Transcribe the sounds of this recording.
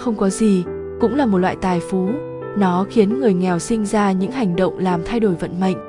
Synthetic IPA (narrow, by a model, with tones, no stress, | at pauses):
xə˧wŋ͡mkɔ˨˦zi˨˩ | kʊ̰˧˥ŋ͡mlaː˨˩mo˨˩t̚lwa̰ː˧˨jt̪aː˨˩jfu˨˦ | nɔ˨˦xi˨˦ənŋɨ˨˩əjŋɛ˨˩wsï˧ŋ̟zaː˧ɲɨ̰˧˥ŋha˨˩jŋ̟ɗə̰˧˨wŋ͡mlaː˨˩mt̪ʰa˧jɗo˧˩jvə̰˧˨nmə̰˧˨ŋ̟